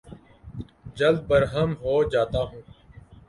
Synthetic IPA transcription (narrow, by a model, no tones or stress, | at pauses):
d͡ʒəld̪̚bəɾɦəmɦoːd͡ʒaːt̪aːɦũː